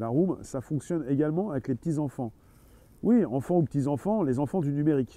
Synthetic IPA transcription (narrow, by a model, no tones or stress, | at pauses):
laʁumsafɔ̃ksjɔneɡalmɑ̃avɛklepət̪izɑ̃fɑ̃ | wiɑ̃fɑ̃upət̪izɑ̃fɑ̃lezɑ̃fɑ̃d̪ynymeʁik